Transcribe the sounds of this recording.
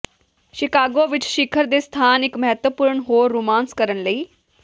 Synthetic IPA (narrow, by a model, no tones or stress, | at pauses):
ʃɪkaːɡõːʋɪt͡ʃʃɪkʰəɾd̪eːst̪ʰaːnɪkməɦət̪wəpʊɾəɳɦoːɾːuːmaːnskəɾənləiː